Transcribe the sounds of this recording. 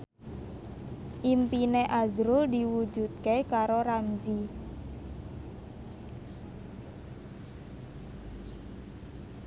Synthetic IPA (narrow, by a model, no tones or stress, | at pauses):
ʔimpineʔazɾʊld̪i̤wu̥d͡ʒṳt̪̚kekaɾoɾamzi